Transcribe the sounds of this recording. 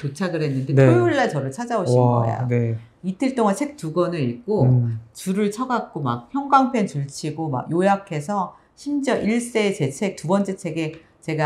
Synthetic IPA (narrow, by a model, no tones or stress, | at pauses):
t͡ɕot͡ɕʰaɡɯɭɦenːɯndeouɭːat͡ɕʌɾɯɭt͡ɕʰad͡ʑaoɕiʌḛjo̰ne | itʰɯɭt͈oŋansʰe̞k̚tuɡʌnɯɾik͈ot͡ɕuɾɯɭt͡ɕʰʌɡak̚k͈oma̰k̚çjʌŋɡaŋpʰe̞nt͡ɕuɭt͡ɕʰiɡoma̰ɡjojakʰe̞sʰʌ | ɕʰimd͡ʑʌʔiɭs͈e̞t͡ɕe̞t͡ɕʰe̞k̚tubʌnt͡ɕ͈et͡ɕʰe̞ɡe | t͡ɕe̞ɡa